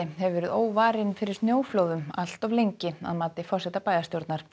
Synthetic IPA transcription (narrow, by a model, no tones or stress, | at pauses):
ɪhɛvvɛɾʏðoːwvaːɾɪnfɪɾɪɾ̥snjoːwfloːwðʏmal̥t̪ɔvlejɲcɪa̰ðmaːt̪ɪfɔr̥sɛt̪apaːjðast̪jowɾt̪naɾ̥